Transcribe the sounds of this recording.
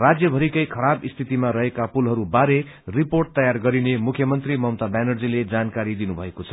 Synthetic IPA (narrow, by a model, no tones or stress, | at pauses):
rad͡zjʌbʱʌɾikʌjkʰʌɾabist̪ʰit̪imaɾʌɦekapulɦʌɾubaɾe | riporʈ̚t̪ʌjarɡʌɾinemukʰjʌmʌnt̪rimʌmt̪aɖajnʌrd͡ziled͡zankaɾid̪inubʱʌekot͡sʰʌ̥